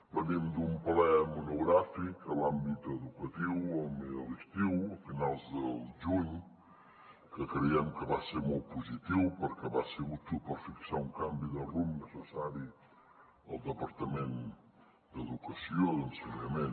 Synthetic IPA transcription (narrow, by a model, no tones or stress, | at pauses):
bənimd̪umpəlɛmunuɣɾafikəlambit̪əðukət̪iwɔmiəlist̪iwəfinalˠzd̪əlʒuɲ | kəkɾəɛmkəβaseɾmol̚ˠpuzit̪iwpəɾkɛβaseɣut̪upəɾfiksauŋkambiðərumnəsəsaɾi | əlˠd̪əpəɾt̪əmen | d̪əðukəsioðənsənəmen